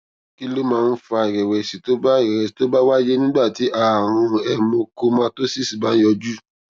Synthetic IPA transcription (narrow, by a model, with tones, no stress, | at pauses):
ki˦lo˦mãː˦˧n̩˦fa˧˨i˨ɾɛ˨wɛ˨si˨to˨˦ba˦˨ɾɛ˨ɛ˨si˨to˨˦ba˦wa˦d͡ʒe˦nĩ˦ɡ͡ba˦˨ti˨˦ʔa˦˨w̃ɔ̃˧ɛ˧mõ˧ko˧mã˦to˦si˦˨si˨ba˨˦jɔ˧d͡ʒu˦